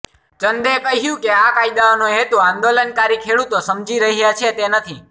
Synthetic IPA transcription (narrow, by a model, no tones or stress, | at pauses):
t͡ʃənd̪ekəɦjũkeakaid̪aonoɦet̪oãnd̪olənkaɾikʰeɭut̪osəmd͡ʒiɾəɦjat͡ʃʰet̪enət̪ʰi